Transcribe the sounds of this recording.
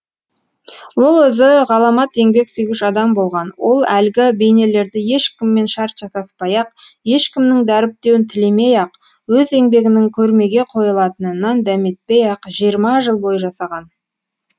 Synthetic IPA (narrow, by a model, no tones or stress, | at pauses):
wo̞lˠwɵzɪʁɑlˠɑmɑt̪e̞ŋbe̞ksyjɡʲɪʃɑd̪ɑmbo̞lˠʁɑnwo̞lˠælɡʲɪbe̞jne̞le̞ɾd̪ɪje̞ʃkʲɪmːe̞nʃɑɾt̪ʒ̥ɑsɑspɑjɑqje̞ʃkʲɪmnɪŋd̪æɾɪp̚t̪e̞wɪnt̪ʰɪlemejɑq | wɵze̞ŋbe̞ɡʲɪnɪŋkʲʰɵɾme̞ɡʲe̞qʰo̞jəlˠɑt̪ənənɑnd̪æme̞t̪̚pejɑqʒijəɾmɑʒəlˠbo̞jəʒɑsɑʁɑn